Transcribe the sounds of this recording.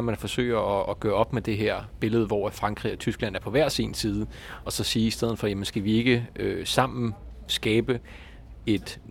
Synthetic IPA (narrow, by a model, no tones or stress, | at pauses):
mænfɒ̽sø̰ːɪ̰ɐɒːɡ̥ɶːɐɒ̽b̥med̥e̝ɦeɐ̰b̥e̝ləð̞̩ˠʋɒ̰fʁɑ̈ŋɡ̥ʁḭɒ̽t͡sʰysɡ̥læn̰æɐpʰɒ̽ʋæɐ̰sinsiːð̞ˠəɒ̽sɒ̽siːisd̥eð̞̰ˠn̩ˠfɒ̽jæmənsɡ̥æʋie̝ɡ̥əøsɑ̈m̰n̩sɡ̥ɛːb̥ə | e̝d̥